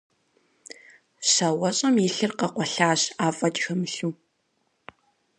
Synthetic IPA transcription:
ɕɐwɐɕʼɐmjiɬɨrqɐqʷɔɬaːɕaːfʼɐtʼxɐmɨɬuː

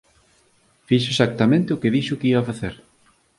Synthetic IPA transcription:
fiʃ̬ʊesak̚t̪amẽnt̪eʊkeðiʃʊkeiβafaθeɾ

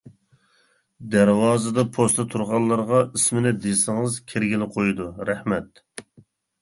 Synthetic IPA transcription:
d̪æɾwɑːzɨd̪ɑpʰost̪ʰɑt̪ʰuɾʁɑllˠːɑɾʁɑismɪnɪd̪esɪŋɨzkʲʰeɾɡʲilɪqʰojud̪uɾɛhmɛt̪

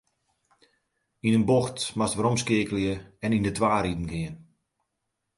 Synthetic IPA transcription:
inənboxtmastʋəɾɔmskɪəkəljəɛnindətʰʋaːɾidn̩ɡɪən

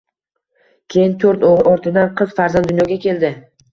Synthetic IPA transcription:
kʲʰe̞jɪnt̪ʰoɾt̪oʁɾɒɾt̪ʰɪd̪anqʰɨzfaɾzand̪ʊnjɒɡʲakʲʰe̞ld̪ɪ

